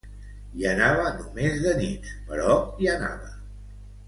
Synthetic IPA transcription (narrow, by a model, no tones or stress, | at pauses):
iənaβənumezðənit̪pəɾɔiəna̰βə